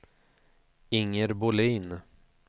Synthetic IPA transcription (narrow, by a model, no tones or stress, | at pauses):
ɪŋːəɾbʊliːn